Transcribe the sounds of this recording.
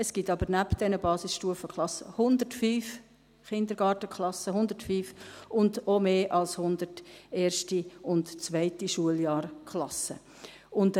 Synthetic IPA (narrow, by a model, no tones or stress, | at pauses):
ɛsɡ̥itɑbəɾnæpd̥ɛnəbɑːsɪsʃtuəfəkχlɑsəhʊnd̪ətfyːf | χɪnd̪əɾɡ̥ɑːtəkχlɑsəɦʊndətfyːfʊndomeːʔɑlshʊnd̪əɾteːʃtiʊntt͡sʋæɪtiʃuəljɑːɾkʰlɑsə̰ | ʊnd